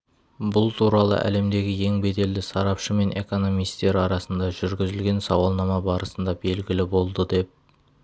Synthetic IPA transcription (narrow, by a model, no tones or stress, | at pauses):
bʊlˠt̪ʰuɾɑlˠə̰ʔæ̰le̞md̪e̞ɡʲɪje̞ŋbe̞d̪e̞ld̪ɪsɑɾɑpʃəme̞nʔe̞̰ko̞no̞mijst̪e̞ɾɑɾɑsənd̪ɑʒʏɾɡʲɪzɪlɡʲe̞nsɑwɑlˠnɑmɑbɑɾəsənd̪ɑbe̞lɡʲɪlɪbo̞lˠd̪əd̪e̞p̚